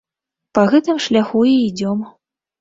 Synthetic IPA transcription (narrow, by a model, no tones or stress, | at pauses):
pɐɣɛt̪ɨmʂlʲaxuiːd͡zʲɔm